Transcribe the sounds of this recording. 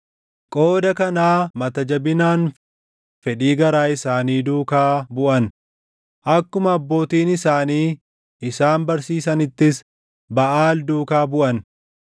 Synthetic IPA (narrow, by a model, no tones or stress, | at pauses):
kʼoːd̪ɐkɐnaːmɐt̪ɐd͡ʒɐbɪnaːn | fɛᶑiːɡɐɾaːɪsaːniːd̪uːkaːbʊʔɐn | ʔɐkːʊmɐːbːo̞ːt̪iːnɪsaːniː | ɪsaːnbɐɾsiːsɐnɪt̪ːɪs | bɐʔaːld̪uːkaːbʊʔɐn